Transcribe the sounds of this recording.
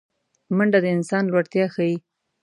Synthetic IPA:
maɳɖad̪əɪnsɑnlwaɽt̪jɑxaji

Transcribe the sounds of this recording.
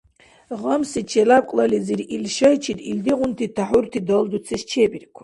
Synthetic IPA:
ʁəmsit͡ʃʰɛlab̚kʷʼlaliziɾilʃɐjt͡ʃʰit̪ʰʼild̪iʁʷʊnt̪ʰit̪ʰaħʊrt̪ʰid̪ɔld̪ut͡sʰiʃt͡ʃʰebirkʷʰḁ

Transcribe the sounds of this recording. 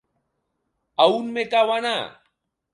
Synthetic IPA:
aunmekawana

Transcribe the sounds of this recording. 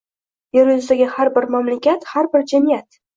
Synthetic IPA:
jeɾjʊzd̪aɡʲɪhaɾbɪɾmamlɪkʲat̪haɾbɪɾd͡ʒamijat̪

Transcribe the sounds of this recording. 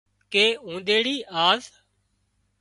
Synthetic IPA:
keːũːd̪eːɽiːʔaːz

